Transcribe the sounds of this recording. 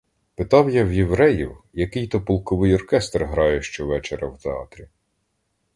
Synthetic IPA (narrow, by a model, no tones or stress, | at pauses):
pɪt̪ɑwjawjewɾɛjiwjɐkɪjt̪ɔpɔlˠkɔʋɪjɔrkɛst̪rɦɾɑjɛʃt͡ʃɔʋɛt͡ʃeɾɐwt̪eɑ̰t̪ɾʲi